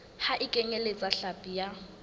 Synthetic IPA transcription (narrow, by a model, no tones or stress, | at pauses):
haʔɪkʼɛŋɛlet͡sʼaɬapʼija